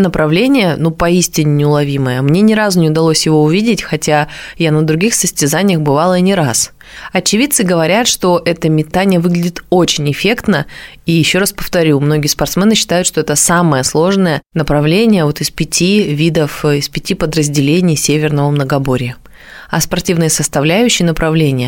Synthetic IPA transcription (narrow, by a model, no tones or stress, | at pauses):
nəpɾɐvlʲenʲɪjənupɐisʲtʲɪnʲɪnʲɪʊlˠɐvʲiməjəmnʲe̞nʲɪɾazʊnʲɪʊd̪ɐlˠo̞sʲjɪvo̞ʊvʲidʲɪtʲxɐtʲajanəd̪ɾʊɡʲixsəsʲtʲɪzanʲɪjəxbɨvalˠəinʲɪɾas | ɐt͡ɕɪvʲit̪sɨɡəvɐɾʲat̪ʂt̪o̞ʔɛt̪əmʲɪt̪anʲɪjəvɨɡlʲɪddʲɪt̪o̞t͡ɕɪnʲɪfʲe̞kt̪nə | ijɪɕːo̞ɾaspə̥ft̪ɐɾʲumno̞ɡʲɪjəspɐrt̪smʲɛnɨɕːɪ̥t̪ajʊt̪ʂt̪o̞ɛt̪əsaməjəslˠo̞ʐnəjənəpɾɐvlʲenʲɪjəvo̞t̪ɨspʲɪtʲʰivʲid̪əfɪspʲɪtʲipəd̪ɾəzʲdʲɪlʲenʲɪjsʲevʲɪrnəvəmnəɡɐbo̞ɾʲɪjə | ɐspɐrtʲivnɨjəsəst̪ɐvlʲæjʉɕːɪjnəpɾɐvlʲenʲɪjə